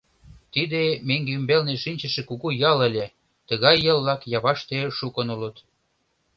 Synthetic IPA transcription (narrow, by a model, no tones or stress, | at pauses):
t̪id̪emeŋɡeymbelneʃinʲt͡ɕə̆ʃĕkuɣujɑlə̆lʲe | t̪ə̆ɣɑjːə̆llɑkjɑβɑʃt̪eʃukənulə̆t̪